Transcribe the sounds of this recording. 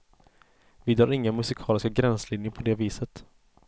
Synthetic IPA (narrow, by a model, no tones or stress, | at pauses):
vɪd̪ɾɑːɾɪŋːənmɵsɪkʰɑːlɪskaɡɾɛnslɪnjəɾpʰɔd̪eːviːsət̪